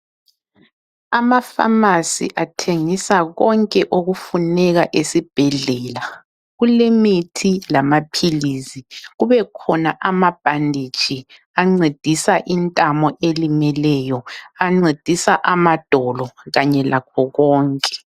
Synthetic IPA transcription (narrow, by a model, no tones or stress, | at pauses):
amafa̰masḭʔatʰeŋisaɣɔŋkʼɛʔoɣufunɛɣaʔesib̥ʱɛɮɛla | ɣulemitʰilamapʰiliːziɣuβɛkʰɔnaʔamab̥ʱandʱi̥t͡ʃʼi | aŋ͡ǀed̥ʱisaʔintʼamɔʔelimɛlɛjɔaŋ͡ǀed̥ʱisaʔamad̥ʱɔlɔɣaɲɛlʔakʰɔɣɔːŋkʼɛ̥